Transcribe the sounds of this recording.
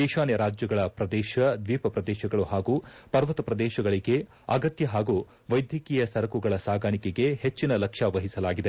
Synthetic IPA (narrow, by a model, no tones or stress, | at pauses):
iːʃaːnjɐɾaːd͡ʒjɐɡɐɭɐpɾɐd̪ɛːʃɐd̪ʋiːpɐpɾɐd̪ɛːʃɐɡɐɭuhaːɡuːpɐɾʋɐt̪ɐpɾɐd̪ɛːʃɐɡɐɭiɡe̞ | ɐɡɐt̪jɐɦaːɡuː | ʋɐjd̪jɐkiːjɐsɐɾɐkuɡɐɭɐsaːɡaːɳikɛɡe̞het͡ʃːinɐlɐkʂɐʋɐɦisɐlaːɡid̪e